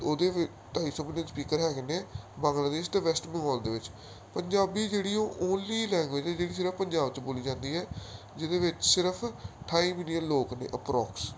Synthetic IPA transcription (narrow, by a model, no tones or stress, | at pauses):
oːd̪eː | ʈ̪aːiːsɔːmɪlijənspiːkəɾɦɛːɡneːbãːŋɡlaːd̪eːst̪eːʋɛsʈbəŋɡɔːld̪eːʋɪt͡ʃ | pəɲd͡ʒaːbiːd͡ʒeːɽiːõːʔoːnliːlɛ̃ːŋɡʋeːd͡ʒɛːd͡ʒeːɽiːs̬ɪɾəpʰpəɲd͡ʒaːbt͡ʃboːliːd͡ʒãːnd̪iːɦɛː | d͡ʒɪd̪eːʋɪt͡ʃsɪɾəpʰʈʰaːiːmɪlijənloːknḛːʔəpɾɔːks